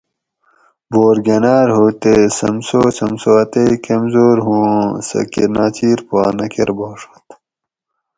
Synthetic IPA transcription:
boːɾɡɐnaːɾɦut̪esɐ̰msoːsɐmsoɐt̪eikɐmzoːɾɦũːsɐ̰kḭɾnaːt͡ɕiːɾpaːnɐkeɾboːʂo̥t̪

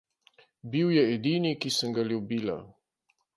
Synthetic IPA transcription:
biwjɛɛːd̪iːnikisəŋɡaljubiːla̰

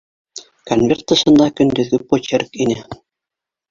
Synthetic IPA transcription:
konvʲert̪ːɤ̆ʃɤ̆nd̪ɑkɵ̆nd̪ɘ̆ðɡɘpot͡ɕerkinʲɘ̆

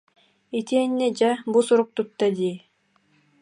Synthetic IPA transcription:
it̪iɛnːɛd͡ʑabusuɾuk̚t̪ut̪ːad̪iː

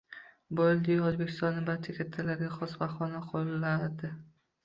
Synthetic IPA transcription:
bold̪ɪjozbekʲʰɪst̪ɒnːɪbaɾt͡ʃʰakʲʰat̪ʰːalaɾɡʲaχɒsvaχɒnaqʰolːaɾd̪ɪ

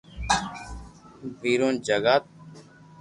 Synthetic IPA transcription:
biːɾõːnd͡ʒəɡaːt̪̚

